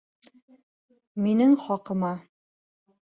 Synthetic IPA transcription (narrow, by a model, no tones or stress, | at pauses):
minɘŋχɒqɤ̆mɑ